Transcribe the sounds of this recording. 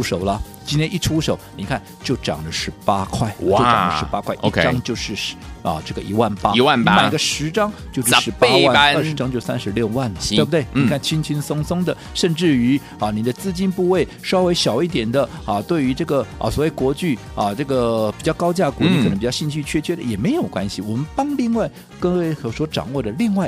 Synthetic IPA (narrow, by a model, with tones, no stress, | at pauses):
u˧˥ʂo˨˩ʊlɐ˧ | t͡ɕi˥nt̪ʰjɛ˥ni˥˩ʈ͡ʂʰu˥ʂo˨˩˦ʊni˨˩kʰa˥˩nt͡ɕjo˥˩ʊʈ͡ʂɑ̰˨˩ŋlə˦ʂɻ̩˧˥pa̰˥kʰwa˥˩ɪo˥˩˧ʈ͡ʂɑ˩ŋlə˧ʂɻ̩˧˥pa˥kʰwa˥˩ɪʔkʰɑ˥ŋt͡ɕjo˥˧ʊʂɻ̩˥˩˥ɐ̰˧˩ʈ͡ʂɤ˥˩ɡə˩ʔi˧˥wa˥˩npa˥˧˥wa˥˩n˥˧ma˥˩˧ɡə˧ʂɻ̩˧˥ʈ͡ʂɑ˥ŋt͡ɕjo˥˧ʊʂɻ̩˥˧˩ʂɻ̩˧˥pa˥wa˥˩˥ə˞˥˩ʂɻ̩˧˥ʈ͡ʂɑ˥ŋt͡ɕjo˥˧ʊ˥˩sa̰˥nʂɻ̩˧˥ljo˥˧ʊwa˥˩nlə˨˥e˥˩bə˩t̪wɪni˨˧kʰa˥˩nt͡ɕʰi˥nt͡ɕʰi˥nsʊ˥ŋsʊ˥ŋd̪ə˨ | ʂə˥˧nʈ͡ʂɻ̩˥˩y˧˥ | ɐ˥˩ni˨˩d̪ə˦t͡sɹ̩˥˧t͡ɕi˥npu˥˧we˥˩ɪʂɑ˥ʊwe˧˥ɪɕjɑ˨˩ʊi˥˩t̪̬jɛ˨˩nd̪ə˦ɐ˧t̪we˥˩ɪy˧˥ʈ͡ʂɤ˥˩ɡə̰˩˧˩swɔ˨˩we˥˩ɪkwɔ˧˥t͡ɕy˥˩ | ɐ˧ʈ͡ʂɤ˥˩ɡə˩pi˨˩t͡ɕjɑ˥˩ʊkɑ˥ʊt͡ɕja˥˩əkwɔ˧˥li˥k̪ʰŋpi˨˩jɑ˥˧ɕi˥˧t͡ɕʰy˥˩˧t͡ɕʰɥɛ˥t͡ɕʰɥɛ˥d̪ə̰˨jɛ˨˩me˧˥ɪjo˨˩ʊkwa̰˥nɕi˨˩wɔ˨˩mə˦npɑ˥ŋli˥˧ŋwa˥˩ɪ | kə˥we˥˩ɪxɤ˧˥swɔ˧˥ʈ͡ʂɑ̰˨˩ŋwɔ˥˩d̪ə˩li˥˧ŋwa˥˩ɪ